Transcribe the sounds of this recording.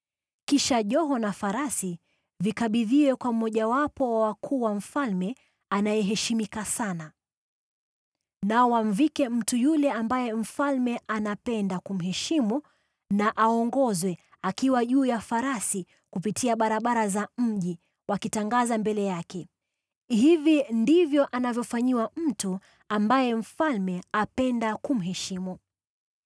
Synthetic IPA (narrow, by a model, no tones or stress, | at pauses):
kiʃaʄɔɦɔnafaɾasi | vikaɓiðiwɛkwamɔʄawapɔwawakʰuːwam̩falmɛ | anajɛɦɛʃimikasana | naɔwam̩vikɛm̩tujulɛambajɛm̩falmɛʔanapɛndakum̩ɦɛʃimu | naʔaɔŋɡɔzwɛ | akiwaʄuːjafaɾasi | kupitʰiaɓaɾaɓaɾazam̩ʄi | wakitaŋɡazambɛlɛjakɛ | hivindivjɔʔanavjɔfaɲiwam̩tu | ambajɛm̩falmɛapɛndakum̩ɦɛʃimu